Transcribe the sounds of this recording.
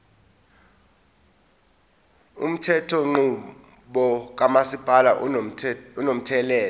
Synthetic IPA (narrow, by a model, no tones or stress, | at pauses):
ṵm̩tʰɛtʰɔŋ͡ǃu | ɓɔk̬amasipʼalaʔ | unom̩tʰɛlɛːl